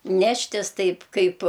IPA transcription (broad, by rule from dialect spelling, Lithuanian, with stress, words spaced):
ˈnʲæːʃʲtʲɪs ˈtɐɪp ˈkɐɪp